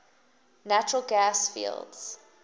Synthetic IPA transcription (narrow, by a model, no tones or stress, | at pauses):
nat͡ʃəɹəlɡasfḭlˠdz̥